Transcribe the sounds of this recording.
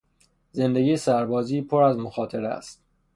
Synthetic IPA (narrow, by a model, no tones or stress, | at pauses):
ze̞nd̪e̞ɡiːjesæɾbɒːziːpʰoɾæzmoxɒːt̪ʰeɾæ̰st̪̚